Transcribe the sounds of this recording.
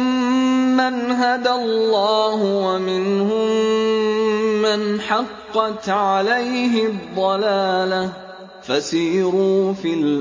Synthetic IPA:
manɦad̪alˤːɑːɦʊwamɪnhʊ | manħɑqːɑt̪ʕalajɦɪd̪ˤːɑlaːla | fasiːɾuːfil

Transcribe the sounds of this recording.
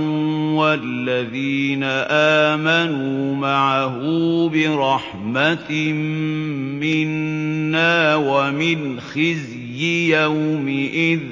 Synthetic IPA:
walːaðiːnaʔaːmanuːmaʕaɦʊbɪɾˤɑħ | mat̪mmɪnːaːwamɪnxɪz | jɪjawmɪʔɪð

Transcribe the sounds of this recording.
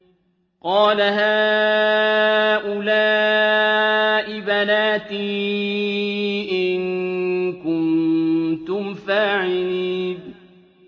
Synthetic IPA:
qɑːlaɦaː | ʔʊlaː | ʔɪbanaːt̪iː | ʔɪnkʊn | t̪ʊmfaːʕɪliːn

